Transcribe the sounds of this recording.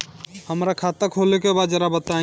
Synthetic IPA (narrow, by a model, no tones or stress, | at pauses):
həmɾakʰaːt̪akʰolekebaːd̪d͡ʒəɾabət̪ã